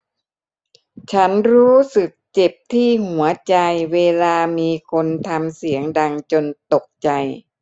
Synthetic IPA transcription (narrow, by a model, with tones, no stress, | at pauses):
t͡ɕʰa˦˥nɾuː˦˥sɯ˨˩k̚t͡ɕe˨˩p̚t̪ʰiː˥˩hu˩˦ɐt͡ɕa˧jweː˧laː˧miː˧kʰo˧nt̪ʰa˧msi˩˦əŋda˧ŋt͡ɕo˧nt̪o˨˩k̚t͡ɕa˧j